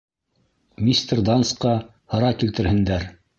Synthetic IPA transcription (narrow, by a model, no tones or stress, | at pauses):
mʲist̪ʲerd̪ɑnskɑ | hɤ̆ɾɑkilt̪ɘ̆ɾhɘ̆nd̪æɾ